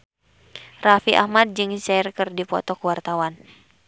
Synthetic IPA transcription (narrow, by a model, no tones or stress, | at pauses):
rafiʔa̰hmad̚d͡ʒɨŋsairkɨrdipɔt̪ɔkuwart̪awan